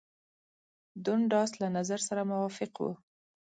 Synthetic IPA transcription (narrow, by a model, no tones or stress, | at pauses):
d̪ʊɳɖɑslanazaɾsaɾamʊwɑfɪqwṵ